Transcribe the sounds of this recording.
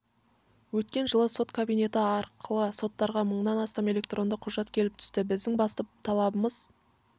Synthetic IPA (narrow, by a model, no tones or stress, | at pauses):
wɵt̪kʲe̞nʒəlˠəso̞t̪kʰabijne̞t̪ɪɑɾqʰəlˠəso̞t̪ːɑɾʁɑməɴnɑnɑst̪ɑme̞lʲe̞kt̪rʔo̞nd̪əqʰʊʒɑt̪kʲʰe̞lɪpt̪ʰʏ̥st̪ɪbɪzd̪ɪŋbɑst̪ɑp̚t̪ʰɑlˠɑbəməz